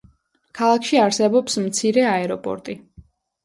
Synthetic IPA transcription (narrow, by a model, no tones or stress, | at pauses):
kʰalˠakʰʃiaɾsɛbɔpsmt̪sʰiɾɛaɛɾɔpʼɔ̰ɾt̪ʼi